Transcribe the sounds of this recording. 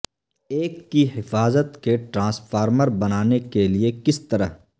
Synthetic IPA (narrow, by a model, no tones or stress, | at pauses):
eːkːiɦɪfaːzət̪keʈɾãːsfʰaːɾməɾbɐnaːnekeliekɪst̪ɐɾəɦ